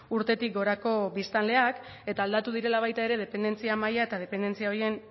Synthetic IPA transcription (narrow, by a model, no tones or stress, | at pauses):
uɾt̪e̞t̪ik̚ɡo̞ɾako̞βbist̪anle̞ak | e̞t̪aːld̪at̪uð̞iɾe̞laβ̞ajt̪ae̞ɾe̞ð̞e̞pend̪e̞nt͡siamajae̞t̪að̞e̞pe̞nd̪e̞nt͡siao̞ɾie̞n